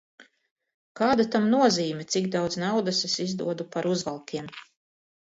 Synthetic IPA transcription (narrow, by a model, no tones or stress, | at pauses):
kaːd̪at̪amnuɔziːmʲɛt̪siɡd̪awd̪znawd̪asesizd̪ṵɔd̪upaɾuzvalˠkʲiɛm